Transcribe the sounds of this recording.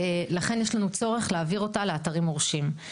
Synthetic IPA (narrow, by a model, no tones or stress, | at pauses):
laχe̞njeʃlanut͡soʁeχleaviʁo̞taleataʁimo̞ʁʃim